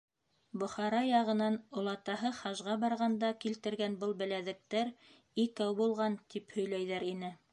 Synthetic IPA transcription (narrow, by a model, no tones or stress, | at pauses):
bŏχɑɾɑjɑʁɤ̆nɑnŏlˠɑt̪ɑɦɤχɑʒʁɑbɑɾʁɑnd̪ɑkilt̪ɘ̆ɾɡænbɤlˠbɘ̆læðɘ̆k̚t̪æɾ | ikæwbulˠʁɑnt̪iphɵ̆jlæjðæɾinɘ